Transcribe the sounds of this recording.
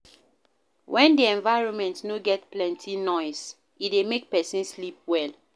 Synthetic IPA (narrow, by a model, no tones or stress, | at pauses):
wʔɛ̃ndiɛ̃nvaɪɹɔ̃nmɛ̃ntnoɡɛtplɛ̃ntʰinɔɪs | idemek̚pɛsĩnslip̚wɛl